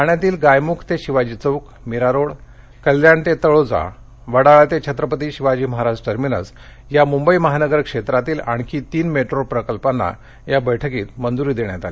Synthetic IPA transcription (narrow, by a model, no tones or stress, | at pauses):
aɳjat̪iːlɡajmukʰt̪eɕiʋad͡ʑiːt͡səwk | miɾaɾoɽ | kəljaɳt̪et̪əɭod͡za̰ | ʋəɽaɭat̪et͡ɕʰət̪ɾəpət̪iːɕiʋad͡ʑiːməɦaɾad͡ʑʈəɾminə̰s | jamumbəiməɦanəɡəɾkʂet̪ɾat̪iːla̰ɳkʰiːt̪iːnmeʈɾoɾpɾəkəlpanːa̰ | jabəjʈʰəkiːt̪mənd͡z̪uɾiːd̪eɳjat̪ale